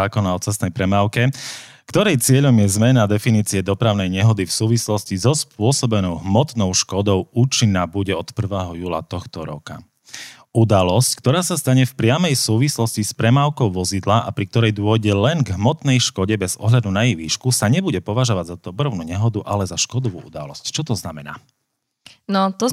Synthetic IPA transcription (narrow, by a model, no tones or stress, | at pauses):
aːkɔnaɔt͡sɛsnɛjpɾɛmaːʊkɛ | kt̪ɔɾɛjt͡sɪɛʎɔmjɛzmɛnad̪ɛfiniːt͡siɛd̪ɔpɾaʊnɛjɲɛɦɔd̪ifsuːʋislɔscizɔspʊɔsɔbɛnɔʊɦmɔt̪nɔʊʃkɔd̪ɔʊuːt͡ʃinːabuɟɛɔt̪pr̩ʋɛːɦɔjuːla̰t̪ɔxt̪ɔɾɔ̰ka̰ | ud̪alɔsckt̪ɔɾaːsast̪aɲɛfpɾɪamɛjsuːʋislɔscispɾɛmaːʊkɔʊʋɔzid̪laʔapɾikt̪ɔɾɛjd̪ʊɔjɟɛlɛnɡɦmɔt̪nɛjʃkɔɟɛbɛzɔ̰ɦʎad̪unajiʋiːʃkusaɲɛbuɟɛpɔʋaʒɔʋaɟzaɔbɾɔʊnuɲɛɦɔd̪uʔalɛzaʃkɔd̪ɔʋṵːṵd̪a̰lɔ̰sct͡ʃɔt̪ɔznamɛna̰ː | nɔt̪ɔ